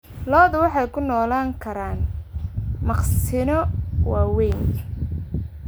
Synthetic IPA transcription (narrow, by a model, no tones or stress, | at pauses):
lɔːðʊwɑħɑjkʰʊnɔːlaːŋkʰɐɾaːn | mɑqssɪnɔwɑːwɛjn